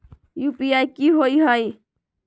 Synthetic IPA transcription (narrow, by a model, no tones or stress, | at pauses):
jupiajkiɦojɦəj